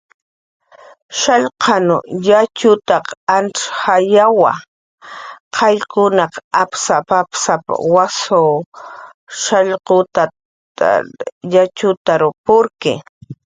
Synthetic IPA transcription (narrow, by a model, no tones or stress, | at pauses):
ʃaʎqɑnʊ̰jat͡ʃʊt̪ɑqanʈ͡ʂxajawa̰ | qʰɑjkʊnɑqapsapapsapa̰waso | ʃaʎqʊt̪a | a̰jat͡ʃʊt̪aɾʊpʊɾkɪ̰